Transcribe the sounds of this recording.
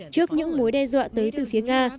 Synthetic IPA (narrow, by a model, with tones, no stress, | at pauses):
t͡ɕɨ˦˥ək̚ɲɨ̰˧˥ŋmo˨˦jɗɛ˧zwa̰ː˧˨t̪əː˨˦jt̪ɨ˨˩fi˨˦əŋaː˧